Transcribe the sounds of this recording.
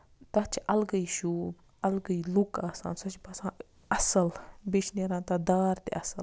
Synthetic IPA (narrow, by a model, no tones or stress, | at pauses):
t̪ɐt͡ʃʰiʔɐlɡɐiʃuːb | ɐlɡəilukaːsa̰ːnsɐt͡ʃbɐsãː | ɐsɐlbeʃneɾãːnt̪ɐd̪aːɾt̪ḛʔɐsɐl